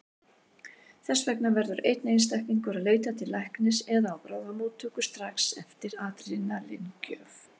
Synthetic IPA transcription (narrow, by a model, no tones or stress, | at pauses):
θɛsːvɛknavɛɾðʏɾejt̪nejnst̪ahkniŋkʏɾaðleːjt̪at̪ʰɪlːajhknɪsɛðaawpɾaːwðamuːt̪ʰːuːkʏst̪ɾaksɛft̪ɪɾaːt̪ɾɪnalɪ̰ncœːf